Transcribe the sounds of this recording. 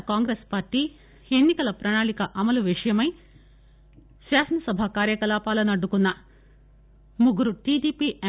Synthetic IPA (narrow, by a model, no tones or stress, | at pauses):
kaːŋɡɾespaːɾʈːiː | enːikɐlɐpɾɐɳaːɳikɐʔɐmɐluʋiʂɐjɐmɐj | ʃaːsɐnɐsɐbʱakaːɾjɐkɐlaːpaːlɐnɐɖːukunːɐ | muɡuɾuʈiːɖiːpiʔe